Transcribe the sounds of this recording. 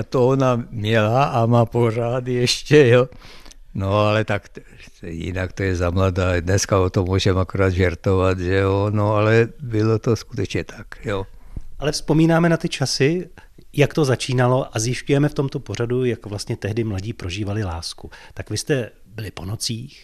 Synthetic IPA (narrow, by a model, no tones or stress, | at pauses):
at̪oonamɲɛlaʔamaːporaːt̪jɛʃcɛjo | noalɛt̪ak | jɪ̰nakt̪ojɛzamlad̪aːd̪nɛskaot̪omuːʒɛmakoɾaːd̪ʒɛɾt̪ovat̪ʒɛonoalɛbɪlot̪oskut̪ɛt͡ʃɲɛt̪ʰḁkjoʔalɛfspo̞miːnaːmɛnat̪ɪt͡ʃasɪ | jakt̪o̞zat͡ʃiːnalo̞ʔazjɪʃcujɛmɛft̪o̞mt̪o̞po̞r̝adujakvlast̪ɲɛt̪ɛɦdɪmlaɟiːpɾo̞ʒiːvalɪlaːskut̪akvɪst̪ɛ | bɪlɪpo̞not͡siːx